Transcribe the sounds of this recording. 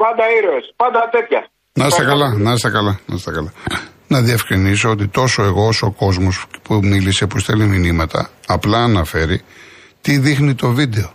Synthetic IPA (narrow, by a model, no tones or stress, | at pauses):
pɐnd̪ɐiɾoespɐnd̪ɐt̪et̪çɐ | nɐst̪ɐkɐlɐnɐst̪ɐkɐlɐnɐst̪ɐkɐlɐ | nɐðiefkɾinis̬o̞ot̪it̪o̞so̞e̞ɣo̞oso̞ko̞zmospumilise̞pusθeliminimɐt̪ʰɐ̰ɐplɐːnɐfe̞ɾi | t̪iðixnit̪o̞vid̪e̞o̞